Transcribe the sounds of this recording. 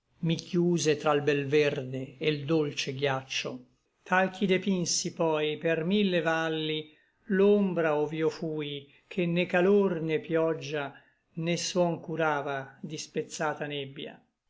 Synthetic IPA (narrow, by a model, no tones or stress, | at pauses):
mikʰjuːzet̪ɾalbɛlvɛrd̪eːld̪olt͡ʃeɡjat͡ʃːo̰ | t̪ʰalk̟ʰid̪epinsipɔjpermilːevalːi | lombɾaoviːofuːj | kʰenːekalornepːjɔd͡ʒːa | nesuɔŋkuɾaːvad̪ispet̪sːaːt̪anɛbːja̰